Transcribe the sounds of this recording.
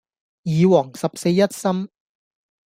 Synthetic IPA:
jiː˨˧wɔː˨˩ŋsɐ˨p̚se˧jːɐ˥t̚sɐ˥m

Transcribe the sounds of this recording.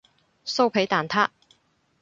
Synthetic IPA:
so˥wpʰe˨˥jt̪aː˨˩nt̪ʰaː˥

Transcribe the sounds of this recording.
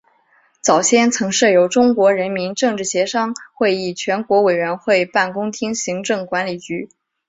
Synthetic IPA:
t͡sɑ˨˩ʊɕjɛ˥˩nt͡sʰɤ˧˥ŋʂɤ˥˩jo˧˥ʊʈ͡ʂʊ˥ŋkwɔ˧˥ɻə˧˥nmi˧˥nʈ͡ʂɤ˥˧ŋʈ͡ʂɻ̩˥˩ɕjɛ˧˥ʂɑ˥ŋxwe˥˧ɪi˥˩t͡ɕʰɥɛ˧˥nkwɔ˧˥we˨˩ɪɥɛ˧˥nxwe˥˩˧ɪpa˥˩nkʊ˥ŋt̪ʰi˥ŋɕi˧˥ŋʈ͡ʂɤ˥˩ŋkwa˧˥nli˨˩t͡ɕy˧˥

